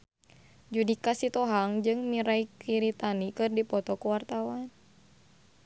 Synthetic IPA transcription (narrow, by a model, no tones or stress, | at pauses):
d͡ʒudikasit̪ɔɦaŋd͡ʒɨŋmiɾaikiɾit̪anikɨrdipɔt̪ɔkuwart̪awan